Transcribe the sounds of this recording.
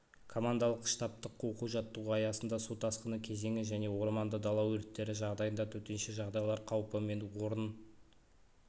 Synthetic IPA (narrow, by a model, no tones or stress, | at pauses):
kʰo̞mand̪ɑlˠəqʃt̪ɑp̚t̪əqːo̞quʒɑt̪ːəwəɑjɑsənd̪ɑsot̪ɑsqənəkʲʰe̞ze̞ŋɪʒæne̞wo̞ɾmɑnd̪əd̪ɑlˠɑwɵɾɪt̪ːe̞ɾɪʒɑʁd̪ɑjənd̪ɑt̪ʰɵt̪e̞nʃeʒɑʁd̪ɑjlˠɑɾqʰɑwpəme̞nwo̞ɾən